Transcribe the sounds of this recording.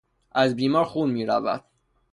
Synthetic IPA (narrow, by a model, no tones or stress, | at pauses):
ʔæzbiːmɒːɾxuːnmiːɾæ̰væ̰d̪̥